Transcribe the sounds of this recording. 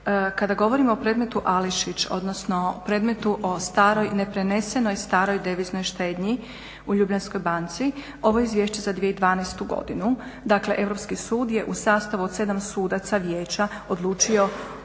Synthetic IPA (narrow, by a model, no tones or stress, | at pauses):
kad̪aɡo̞ʋo̞ɾimoːpɾe̞ːd̪me̞t̪uʔaliʃit͡ɕo̞̰d̪nosno̞pɾe̞ːd̪me̞t̪uʔost̪aːɾo̞jnepɾene̞se̞no̞jst̪aːɾo̞jd̪eʋizno̞jʃt̪e̞ːd̪ɲi | uʎubʎansko̞jbant̪si | o̞ʋoizʋjeːʃt͡ɕe̞zad̪ʋijeid̪ʋaːnɛst̪uɡo̞̰d̪inu | d̪akle̞ʔe̞ʋɾo̞pskisuːd̪je̞ʔusaːst̪aʋuod̪se̞d̪amsuːd̪at̪saʋjeːt͡ɕa | o̞d̪lˠuːt͡ʃio̞